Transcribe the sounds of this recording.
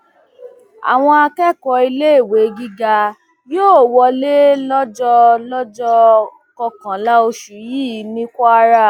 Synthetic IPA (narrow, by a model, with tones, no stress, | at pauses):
a̰˨w̃ɔ̃˧a˧kɛ˦˨kɔ˧i˧le˦e˦˨we˨˦ɡi˦ɡa˧ | joː˦˨wɔ˧le˦lɔ˦d͡ʒɔ˧lɔ˦d͡ʒɔ˧ | kɔ˧kã˨la˦o˧ʃu˨ji˦˨˦nĩ˦kʷɔ˦a˦ɾa˦˨